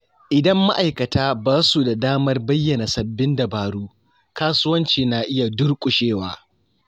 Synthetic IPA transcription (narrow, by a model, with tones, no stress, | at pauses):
ʔɪ˨dɐ˦mːa̰˦ʔa˨jkɐ˨taː˦baː˦su˨da˨daː˦mɐ˦rbɐ˦jːɐ˨na˨sɐ˨bːɪ˦nda˨baː˨ɽuː˦ | kaː˦sʊ˦wɐ˦nt͡ʃiː˨naː˨ʔɪ˦ja˨dʊ˦rkʷʼʊ˨ʃeː˦wa̰ː˦